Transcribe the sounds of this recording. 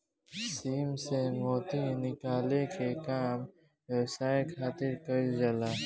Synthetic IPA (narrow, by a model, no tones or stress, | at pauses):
siːmsemoːt̪inɪkaːlekekaːm | ɾesaːekʰaːt̪ɪɾkɐɾd͡ʒɐlaː